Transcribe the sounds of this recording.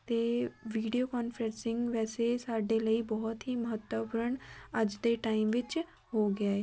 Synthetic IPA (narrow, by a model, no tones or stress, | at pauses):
t̪eːʋiːɖijokaːnfʰəɾə̃nsɪ̃ŋɡʋɛːsesaːɖeləibɔɦɔt̪ɦiməɦət̪wəpʊɾəɳəd͡ʒd̪eʈaːɪmʋɪt͡ʃ | ɦoɡɪjaːeː